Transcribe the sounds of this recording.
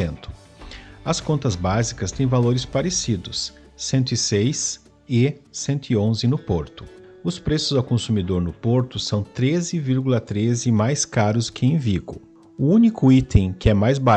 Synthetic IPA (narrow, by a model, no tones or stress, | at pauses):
ẽnt̪ʊ̥ | ɐskõnt̪ɐzbazikɐst̪ẽj̃valoɾɪspaɾesid̪ʊsː | ẽnt̪ʊɪsejs | ɪːẽnt̪ʊɪõzɪnʊpoɾt̪ʊ̥ | ʊspɾesʊzawkõsumid̪oɾnʊpoɾt̪ʊsɐ̃w̃t̪ɾezɪviɾɡulɐt̪ɾezɪmajskaɾʊskɪẽj̃viɡʊ | ʊũnikʰʊit̪ẽj̃kɪɛmajzba